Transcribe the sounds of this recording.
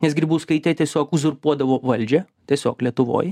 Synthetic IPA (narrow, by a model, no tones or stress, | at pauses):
nʲɛsɡɾʲiːbuːskɐɪt̪ʲɛt̪ʲiɛsʲoːkʊzʊɾpuɔd̪ɐʋoːʋɐlʲd͡ʒʲɛ | t̪ʲiɛsʲoːklʲiɛt̪ʊʋo̰ːj